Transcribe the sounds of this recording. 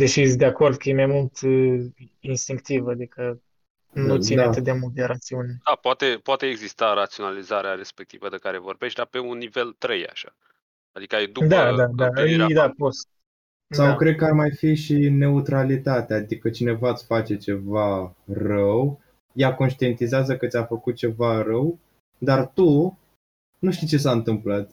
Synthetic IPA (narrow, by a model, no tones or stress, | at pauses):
d̪eʃisd̪eako̞rd̪̚kəjemajmult̪ | inst̪iŋkt̪ivad̪ikə | nut̪ineaɨt̪d̪e̞mult̪̚d̪eɾat̪siuned̪̥apoat̪epoat̪eːɡzist̪aɾat̪sionalizaɾeaɾe̞spek̚t̪ivəd̪ekaɾevo̞rbeʃt̪̚ʲd̪ape̞unːive̞lt̪ɾeja̰ʃa̰ | ad̪ikəajd̪ud̪ad̪ad̪aəd̪apost̪ | sawkɾed̪̚kəarmajfiʃine̞ut̪ɾalit̪at̪eaːd̪ikət͡ʃine̞vat̪sʲfat͡ʃe̞t͡ʃe̞varəw | jakonʃt̪ie̞nt̪izeazəkət̪sʲafəkut̪̚t͡ʃe̞vaɾəw | d̪art̪u | nuʃt̪it͡ʃe̞s̬aɨnt̪ɨmplat̪